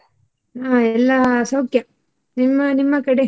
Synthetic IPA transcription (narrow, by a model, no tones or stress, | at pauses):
aːɛlːasɐwkjɐ | nimːɐnimːɐkɐɽe